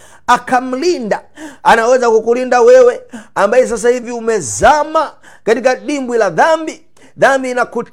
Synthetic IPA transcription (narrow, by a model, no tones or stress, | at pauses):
akʰam̩lindaanawɛzakukulindawɛwɛambajɛs̬as̬ahiviumɛzama | katikaɗimbwilaðambi | ðambiːnakut